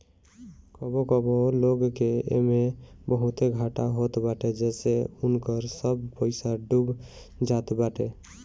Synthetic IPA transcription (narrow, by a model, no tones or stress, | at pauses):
kɔbokɔboloɡkeḛmebəɦut̪eɡʱaʈaɦot̪baʈed͡ʒeseunkəɾsəbpəɪsaɖub | d͡ʒat̪baʈe